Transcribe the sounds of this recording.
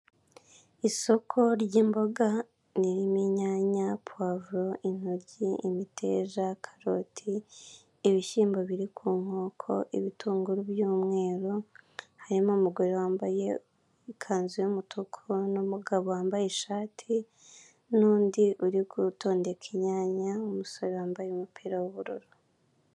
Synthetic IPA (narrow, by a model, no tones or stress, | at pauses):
iso̞kʰo̞ɾjiːmbo̞ɡa | niɾimiɲaːɲapwavɾoʔin̥hoɾɟiʔimitʰḛzakʰḁɾotʰiː | βiʃiːmboβiɾikʰuːŋ̥o̞ːkʰo̞̰ʔiβituːŋɡuɾubjuːmŋe̞ːɾohaɾimomuɡoɾewaːmbaje | ikʰaːnzujemutʰukʰonomuɡaβowaːmbajeʃaːtʰi | nuːndiʔuɾiɡuto̞ːnde̞kʰiɲaːɲaomusoɾewaːmbajumupʰiːɾawuβuɾuɾu